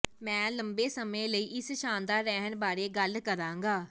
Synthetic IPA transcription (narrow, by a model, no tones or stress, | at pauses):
mɛ̃ːləmbeːsəmẽːləiːʔɪsʃãːnd̪aːɾɛːɦnbaːɾeːɡəlkəɾãːŋɡaː